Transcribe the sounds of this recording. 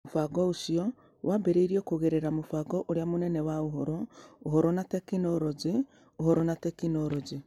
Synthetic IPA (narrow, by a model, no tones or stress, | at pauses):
mofaɡɔoʃiɔ | wabeɾeiɾiokoɣeɾeɾamofaɡɔʔoɾeamonɛnɛwaoɦɔɾɔohɔɾɔnatɛkinɔɾɔd͡ʒe | ohɔɾɔnatɛkinɔɾɔd͡ʒe